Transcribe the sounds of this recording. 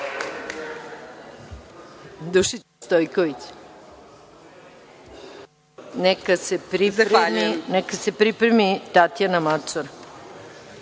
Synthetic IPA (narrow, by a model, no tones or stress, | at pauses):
d̪uʃit̪st̪ojkoʋit͡ɕ | nekasepɾizaamineɛkasepɾipɾemit̪at̪janamat͡ʃoɾa